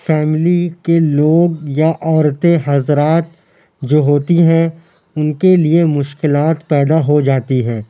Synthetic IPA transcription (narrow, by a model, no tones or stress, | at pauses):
fɛːmɪlikeloːɡjaʔɔːɾt̪eɦɐzɾaːt̪̚ | d͡ʒoːɦoːt̪iɦɛ̃ | ʊnkeliemʊʃkɪlaːt̪pɛːd̪aɦod͡ʒaːt̪iɦɛ̃ː